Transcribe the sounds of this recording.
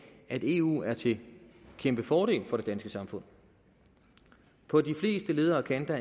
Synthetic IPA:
æd̥e̝ṵːæɐt͡sʰe̝kʰemb̥əfɒːɾ̥e̝̰ːlfɒ̽ɾ̥e̝d̥ænsɡ̥əsɑ̈mfɔ̽n̰ | pʰɒ̽d̥ifle̝̰ːsd̥əle̝ːð̞ˠɐːkʰænd̥æ

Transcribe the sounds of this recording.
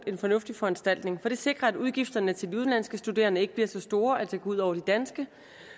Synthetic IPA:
e̝nfɒ̽nɔ̽fd̥ifɒ̽ænsd̥æl̰d̥ne̝ŋfɒ̽d̥e̝se̝ɡ̥ʁɐæduðˠɡ̥ifd̥ɐnət͡sʰe̝ld̥iuðˠlæn̰sɡ̥əsd̥ude̝̰ːɐnəe̝ɡ̥əbliɐsɒ̽sd̥o̝ːɐæ̥sæɡ̥ɒuð̞̰ˠɒ̰ʊɐd̥id̥ænsɡ̥ə

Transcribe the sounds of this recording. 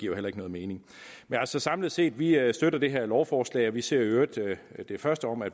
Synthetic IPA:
ɡ̥iɐ̰helɐe̝ɡ̥nɔ̽ːð̩ˠme̝ːne̝ŋ | menæl̰sɒ̽sɑ̈mləð̩ˠse̝̰ːd̥ʋisd̥øɾɐd̥e̝ɦæɐlɒʊfɒːslɛ̰ɪɒ̽ʋise̝ɐ̰øːid̥d̥e̝fɶɐsd̥əɒ̽m̰æd̥

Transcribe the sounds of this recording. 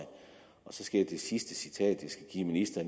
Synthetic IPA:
ɪ | ɒ̽sɒ̽sɡ̥e̝ɐ̰d̥e̝sisd̥əsit͡sʰɛ̰ːd̥ʋisɡ̥æɡ̥ḭːminisd̥ɐ

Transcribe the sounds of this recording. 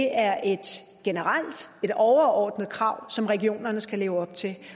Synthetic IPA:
eʔæɐʔe̝d̥ | ɡ̥e̝nəʁal̰d̥e̝d̥ɒʊɐɒ̰ːd̥n̩ð̩ˠkʰʁɑ̈ʊ̰sɒ̽mʁɛɡio̝̰ːnɐnəsɡ̥æle̝ːʊɒ̽b̥̚t͡sʰe̝l

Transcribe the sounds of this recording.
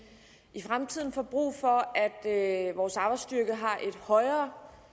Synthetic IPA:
ʔifʁamt͡sʰið̰ˠn̩fɒb̥ʁṵːfɒ̽æd̥ʋɒːsɑ̈ːb̥ɑ̈ɪsd̥yɐɡ̥əɦɑ̈ʔe̝d̥hɒ̽ɪɐː

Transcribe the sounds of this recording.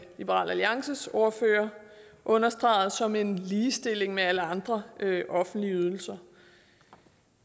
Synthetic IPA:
lib̥əʁɑ̰læliɑ̈ŋsəso̝ːɐfø̰ːɐ | ʔɔ̽nɐsd̥ʁɑ̰̈ːð̞̩ˠsɒ̽me̝nliːsd̥e̝l̰e̝ŋmeæləɑ̈nd̥ʁɐʔɒ̽fn̩d̥liəyð̞ˠl̩sɐ

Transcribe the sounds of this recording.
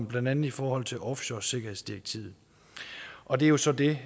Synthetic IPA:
mb̥lænd̥ænð̩ˠifɒːhɒ̽l̰t͡sʰe̝lʔɒ̽fɕɒse̝ɡ̥ɐhe̝ðˠsd̥ieɡ̥̚t͡sʰḭːð̩ˠ | ʔɒ̽d̥e̝æjo̝sɒ̽d̥e̝

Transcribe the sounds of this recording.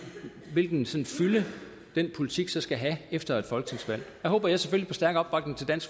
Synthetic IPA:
ʋe̝lɡ̥n̩sɒ̽nfylə | d̥enpʰo̝lit͡sʰiɡ̥sɒ̽sɡ̥æɦæefd̥ɐe̝d̥fɒ̽lɡ̥ət͡sʰe̝ŋsʋæl̰jæɦɔ̽ːb̥ɐjɑ̈ɪsefølipʰɒ̽sd̥æɐɡ̥ɒ̽b̥ʋɑ̈ɡ̥ne̝ŋt͡sʰe̝ld̥æn̰sɡ̥

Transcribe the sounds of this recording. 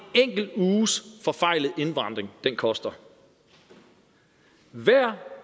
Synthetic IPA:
eŋ̰ɡ̥l̩uːsfɒ̽fɑ̈ɪ̰lð̩ˠe̝nʋɑ̈n̰d̥ʁeŋd̥enkʰɒ̽sd̥ɐ | ʋæɐ̰

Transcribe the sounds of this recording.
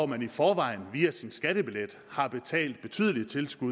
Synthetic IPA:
mænifɒːʋɑ̈ɪ̰n̩ʋiːæsinsɡ̥æɾ̥əb̥iled̥ | hɑ̈b̥e̝t͡sʰɛ̰ːld̥̚b̥e̝t͡sʰy̰ːðˠəlit͡sʰe̝lsɡ̥u

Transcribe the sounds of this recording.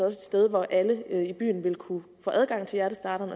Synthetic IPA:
ɒ̽se̝d̥sd̥eð̞ˠʋɒʔæləib̥y̰ːn̩ʋe̝lkʰufɔ̰ːʔæð̞ˠɡ̥ɑ̈ŋ̰t͡sʰe̝ljæɐɾəsd̥ɑ̈ːɾ̥ɐnɒ̽

